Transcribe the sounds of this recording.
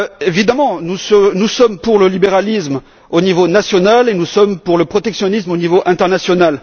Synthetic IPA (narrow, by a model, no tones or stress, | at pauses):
evid̪amɑ̃nusnusɔmpuʁləlibeʁalism | onivonasjɔnalenusɔmpuʁləpχɔt̪ɛksjɔnismonivoʔɛ̃t̪ɛʁnasjɔnal